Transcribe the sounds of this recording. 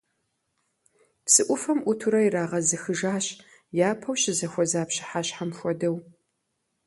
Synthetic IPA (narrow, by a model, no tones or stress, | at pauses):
psɨʔʷʊfɐmʔʷʊtʰuɾɐiɾaːʁɐzɨxɨʒaːɕ | jaːpʰɐwɕɪzɐxʷɔzaːpɕɪ̥ħaɕħamxʷɔdɐw